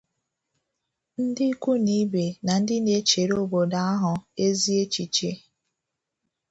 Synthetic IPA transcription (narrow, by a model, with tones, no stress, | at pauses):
n̩˦dɪ˦i˦kʷu˦ni˦be˨na˨n̩˦dɪ˦ne˦t͡ʃe˨ɾo˦bo˨da˦a˦ɦʊ˨e˦zi˦e˦t͡ʃi˨t͡ʃe˦